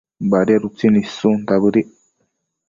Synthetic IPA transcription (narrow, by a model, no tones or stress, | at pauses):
baɾiaɾut͡sinisunt̪aβɨɾi